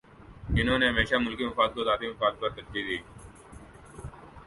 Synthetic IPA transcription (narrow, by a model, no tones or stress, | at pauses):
ɪnɦõːneɦɐmeːʃamʊlkimɐfaːd̪̚kod̪aːd̪iməfaːd̪̚pɐɾt̪ɐd͡ʒd̪iːd̪iː